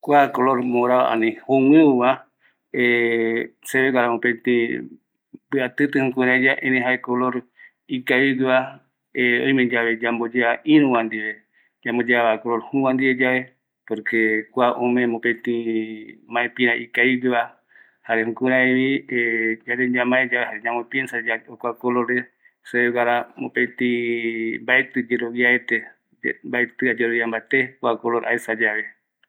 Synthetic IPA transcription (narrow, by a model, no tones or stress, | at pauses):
kʷakoloɾmoɾaβa̰ʔã̰nĩhoŋɨ̃ɨwa | e | seβeɡaɾamõpẽt̪ĩ | bɨat̪ɨt̪ɨhũkũɾãid͡ʒaʔẽɾẽɦaekoloɾ | ikaiɡɨβa | eõj̃mẽd͡ʒaβed͡ʒambod͡ʒeaĩɾũwãnd̪iβe | d͡ʒambod͡ʒeaβakolo̞ɾhũwãnd̪iβed͡ʒae | poɾkekʷaʔõmẽmopet̪ĩ | mãepĩɾaʔikaibiβa | haɾehũkuɾãiβied͡ʒaɾed͡ʒamãed͡ʒaeɦaɾeɲãmopiensad͡ʒaokʷakoloɾe | seeɣaɾamopẽt̪ĩ | mbaet̪ɨd͡ʒeɾoβiaet̪e | mbaet̪ɨad͡ʒeɾoβjambat̪ekwakoloɾʔa̰esad͡ʒaβe